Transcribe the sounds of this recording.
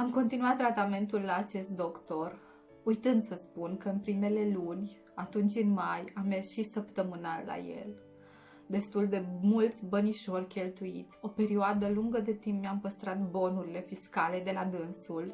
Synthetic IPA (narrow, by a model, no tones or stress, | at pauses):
amko̞nt̪inuat̪ːɾat̪ame̞nt̪ulːaːt͡ʃe̞st̪̚d̪o̞kt̪o̞r | ujt̪ɨnd̪səspunkəɨnpɾime̞le̞lunʲ | at̪unt͡ʃʲɨnmajamːe̞rsʃisəpt̪əmɨnalːa̰je̞̰l | d̪e̞st̪uld̪e̞mult̪sʲbəniʃo̞rʲkʲe̞lt̪uḭt̪sʲo̞pe̞ɾioad̪əluŋɡəd̪e̞t̪impmʲeampəst̪ɾat̪bo̞nuɾile̞fiskale̞d̪e̞lad̪ɨnsul